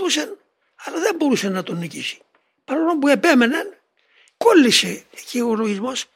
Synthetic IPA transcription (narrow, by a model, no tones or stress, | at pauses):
usen | ɐlɐðe̞mbo̞ɾusenːɐt̪onːicisi̥ | pɐɾono̞mpue̞pe̞menen | kolːiseːcioloʝizmo̞s